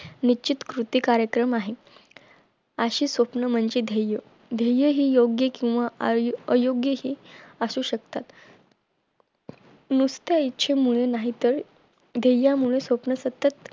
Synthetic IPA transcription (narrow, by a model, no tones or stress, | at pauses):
nit͡ɕit̪kɾut̪iːkaɾjəkɾəmaɦe | əɕiːsʋəpnəm̤əɲt͡ɕiːd̪ʱejə | d̪ʱejəɦiːjoɡjəkĩw̃ʋaəjoɡjəɦiːəsuːɕəkt̪at̪ | nust̪jaitːɕʰemuɭenaɦit̪əɾ | d̪ʱejːamuɭesʋəpnəsət̪ət̪